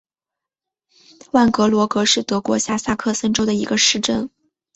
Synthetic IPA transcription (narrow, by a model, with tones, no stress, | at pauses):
wa˥˩nkɤ˧˥lwɔ˧˥kɤ˧˥ʂɻ̩˥˩t̪ɤ˧˥kwɔ̰˧˥ɕja˥˩sja˥˧kʰɤ˥˩sə˥nʈ͡ʂo˥d̪ə˨ḭ˧˥ɡə˧ʂɻ̩˥˧ʈ͡ʂə˥˩n